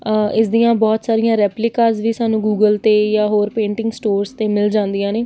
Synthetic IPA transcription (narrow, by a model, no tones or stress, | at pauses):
ɪsd̪ijãːbɔːt̪saːɾɪjãːɾɛːplɪkaːzʋiːsaːnũːɡuːɡəlt̪eːjaːɦoːɾpẽːɳʈɪŋɡsʈoːɾst̪eːmɪld͡ʒãːnd̪ijãːneː